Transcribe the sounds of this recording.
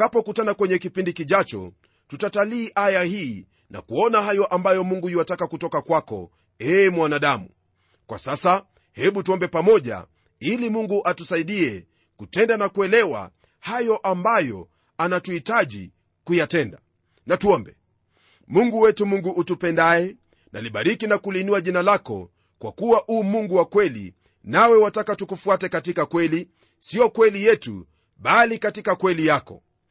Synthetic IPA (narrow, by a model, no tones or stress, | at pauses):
kapɔkutanakwɛɲɛkipindikiʄat͡ʃɔ̰ | tutataliːʔajahiː | na̰kuɔnahajɔʔambajɔmuŋɡujuwatakakutɔkakwakɔ̰ | ɛːmwanaɗamu | kwa̰sasa | hɛɓutuɔmbɛpamɔʄa̰ | ilimuŋɡuʔatusaiɗiɛ | kutɛndanakuɛlɛwa̰ | hajɔʔambajɔ̰ | anatuhitaʄḭ | kujatɛnda | natuɔmbɛ | muŋɡuwɛtumuŋɡuʔutupɛndaɛ | nʔa̰liɓaɾikinakulinuaʄinalakɔ̰ | kwa̰kuwaʔuːmuŋɡuwakwɛlḭ | nawɛwatakatukufuatɛkatikakwɛli | siɔkwɛlijɛtṵ | ɓalikatikakwɛlijakɔ̰